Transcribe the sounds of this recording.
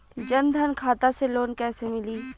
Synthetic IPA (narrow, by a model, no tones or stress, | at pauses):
d͡ʒɐnd̪ʱənkʰaːt̪aseloːnkɛːsemɪliː